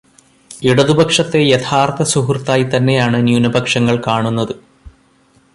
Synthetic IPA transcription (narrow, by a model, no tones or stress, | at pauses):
iɽɐðubʱɐkʂɐt̪ːe̞jɐt̪ʰaːrt̪ɐsuɦurt̪ːaːjit̪ɐnːe̞jaːɳɨnjunɐbʱɐkʂɐŋːɐɭkaːɳunːɐðɨ